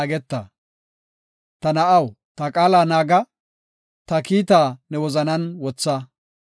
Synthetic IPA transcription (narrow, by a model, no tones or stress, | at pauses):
ɡɛt̪ːɐ̰ | t̪ɐnɐʔɐw | t̪ɐkʼaːlaːnaːɡɐ | t̪ɐkiːt̪̬aːnɛwɔzɐnɐnwɔt͡sːɐ